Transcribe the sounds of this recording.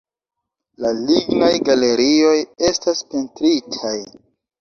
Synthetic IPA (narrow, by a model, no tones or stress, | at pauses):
laliɡnajɡale̞ɾio̞je̞staspentɾitʰaj